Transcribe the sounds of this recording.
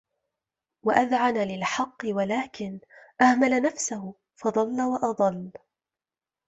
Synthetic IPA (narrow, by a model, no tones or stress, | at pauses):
waʔaðʕanalɪlħɑqːɨwalaːkɪnʔahmalanafsahʊ | fɑd̪ˤɑlːawɑʔɑd̪ˤɑlː